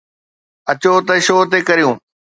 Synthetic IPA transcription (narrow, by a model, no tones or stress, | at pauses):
ɐt͡ɕot̪ɐʃoːt̪ekɐɾijũː